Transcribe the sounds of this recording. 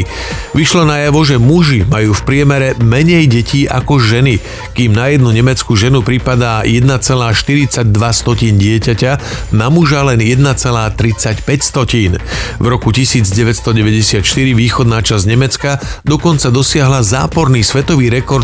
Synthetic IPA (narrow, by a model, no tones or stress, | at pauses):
ʋiʃlɔnajaʋɔʒɛmuʒimajuːfpɾɪɛmɛɾɛmɛɲɛjɟɛciːʔa̰kɔʒɛni | kiːmnajɛd̪nuɲɛmɛt͡skuʒɛnupɾipad̪aːjɛd̪nat͡sɛlaːʃt̪iɾit͡saɟ̚d̪ʋast̪ɔciːnɟɪɛcacanamuʒalɛnjɛd̪nat͡sɛlaːt̪ɾit͡sacpɛcst̪ɔciːnvɾɔkucisiːd͡zɟɛʋɛtst̪ɔɟɛʋɛɟɛsɪat̪ʃt̪iɾiʋiːxɔd̪naːt͡ʃazɲɛmɛt͡skad̪ɔkɔnt͡sad̪ɔsɪaɦlaza̰ːpɔɾniːsʋɛt̪ɔʋiːɾɛkɔɾt̪̚